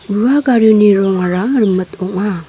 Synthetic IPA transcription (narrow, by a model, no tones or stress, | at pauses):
buaɡaɾuniɾɔŋaɾaɾmətoka